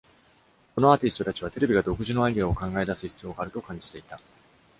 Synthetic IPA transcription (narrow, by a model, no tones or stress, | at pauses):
ko̞no̞at̪ʲisɨ̥t̪o̞t̪at͡ɕiβ̞at̪e̞ɾe̞bʲiɡad̪o̞kɯ̟ʑino̞aɡʲiao̞kãŋɡae̞d̪asɨçi̥t͡sɨjo̞ːɡaːɾɯ̟t̪o̞kãɲ̟d͡ʑi̥t̪e̞it̪a